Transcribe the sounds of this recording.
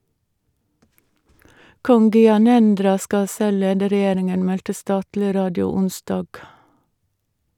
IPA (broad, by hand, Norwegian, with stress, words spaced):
ˈkɔŋ ɡʏɑˈnɛndɾɑ ˈskɑ ˈsɛl ˈleːdə ɾɛˈjeːɾɪŋən ˈmɛltə ˈstɑːtlɪ ˈɾɑːdɪʊ ˈʊnˌsdɑːɡ